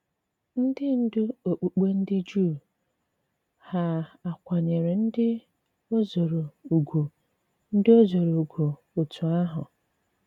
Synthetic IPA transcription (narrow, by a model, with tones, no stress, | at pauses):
n̩˦dɪ˦n̩˦dʊ˦o˨k͡pu˨k͡pe˦n̩˦dɪ˦d͡ʒuː˦˨ | ha˨a˨kʷa˨ɲe˨ɾe˨n̩˦dɪ˦ | o˦zo˨ɾo˨u˨ɡʷo˨ | n̩˦dɪ˦o˦zo˨ɾo˨u˨ɡʷo˨ | o˨tʰu˨a˦ɦʊ̰˨